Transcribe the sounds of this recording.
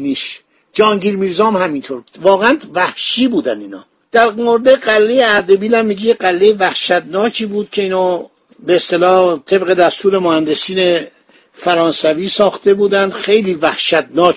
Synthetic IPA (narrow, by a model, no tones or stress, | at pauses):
niːʃ | d͡ʒɒːŋɟiːɾmiːɾzɒːmhæmint̪ʰoɾbu̥vɒːɣeænd̪væhʃiːbuːd̪æniːnɒ̰ː | d̪̥æɾmoɾed̪eɢælːejeæɾd̪e̞biːlæmːiɟejeɢælːejevæhʃæt̪nɒːcʰiːbuːd̪̥̚cʰe̞iːnɒː | beːst̪e̞lɒːht̪ʰe̞bɣe̞d̪æst̪uːɾe̞mohænd̪e̞siːne | fæɾɒːnsæviːsɒːxt̪e̞buːd̪ænd̪xe̞jliːvæhʃæt̪nɒːk